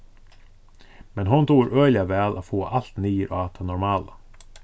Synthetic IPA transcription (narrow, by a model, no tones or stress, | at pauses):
mɛnɦʊnt̪ʰuːɾøːlɪɑʋæːlʔofoːʔɑlt̪niːɾʔo̰ːɑt̪ʰɑnɔɾmɑːlə